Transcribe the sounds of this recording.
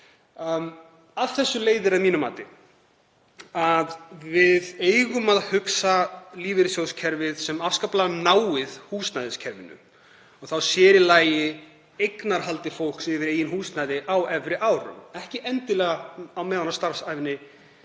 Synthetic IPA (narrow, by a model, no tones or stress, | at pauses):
aðθɛsːʏleːjðɪɾaðmiːnʏma̰ːt̪ɪ | aðvɪðeːjɣʏmaðhʏksaliːvɪɾɪsjowscʰɛɾvɪðsɛmafskaplaðnaːwɪðhuːsnajðɪscʰɛɾvɪ̰nːʏ̰ | ɔɣθawsjɛːɾɪlaːjɪ | ejknaɾ̥ɦalt̪ɪfowl̥ksɪvɪɾeːjɪnhuːsnajðɪʔawɛvɾɪʔaːwɾʏ̰mɛhcɪʔɛnt̪ɪlɛːɣaawmɛːðanast̪aɾ̥sajvɪnːɪ